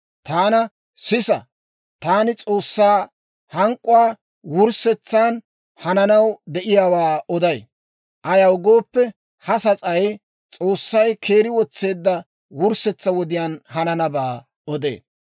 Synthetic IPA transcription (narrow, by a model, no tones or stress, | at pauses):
t̪aːnɐ | sɪsɐ̰ | t̪aːnɪt͡sʼo̞ːsːaː | hɐŋkʼːʊwaː | wʊɾsɛt͡sːaːn | hɐnɐnɐwd̪ɛʔɪjaːwaːɔd̪ɐj | ʔɐjɐwɡo̞ːpːɛ | hɐsɐt͡sʼɐj | t͡sʼo̞ːsːɐjkʰe̞ːɾɪwɔt͡sːe̞ːd̪ːɐ | wʊɾsɛt͡sːɐwɔd̪ɪjaːnhɐnɐnɐbaː | ɔd̪ḛː